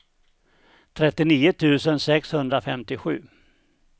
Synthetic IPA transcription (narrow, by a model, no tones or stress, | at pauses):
t̪ʰɾɛt̪ːɪniːʊt̪ʰʉ̟ːsənsɛkshɵnd̪ɾafɛmt̪ɪɧʉ̟̰ː